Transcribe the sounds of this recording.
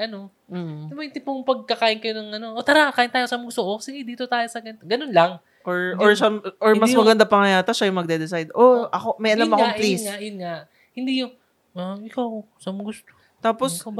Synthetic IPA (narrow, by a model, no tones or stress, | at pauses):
ʔɐno̞ | m̩t̪bɐɪnt̪ɪmpoŋpɐɡ̚kɐkaːʔɪnkɐjonɐŋʔɐno̞ʔot̪ɐɾaakaːʔɪnt̪aːjosamʊɡʊst̪oʔosɪɡɪd̪iːt̪o̞t̪aːjosɐɡɐnt̪ɡɐnonlɐŋ | ʔoɹʔoɹʃaʔoɹmɐsmɐɡɐnd̪apɐŋɐjaːt̪ɐʃajʊŋmɐɡ̚d̪ɛd̪ɛsajd̪ʔoʔɐko̞mɐjʔɐlamɐkoaplisŋaʔjʊnŋaʔ | hɪnd̪ijʊŋ | aɪkaww | samɐɡʊst̪o | t̪aːpos